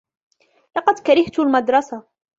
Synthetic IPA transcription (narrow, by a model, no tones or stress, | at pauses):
lɑqɑd̪kaɾɪht̪lmad̪ɾˤɑsa